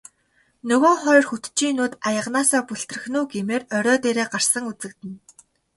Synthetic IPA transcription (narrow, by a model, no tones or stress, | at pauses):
nɵɣoːŋχɔjrxut̪t͡ɕiːnuːt̪ajə̆ʁnaːsaːpuɬt̪rɘ̆xnuːɡemeːrœɾʲɔːt̪eːɾeːɢar̥sə̆ŋut͡sɘ̆k̚t̪ɘ̆n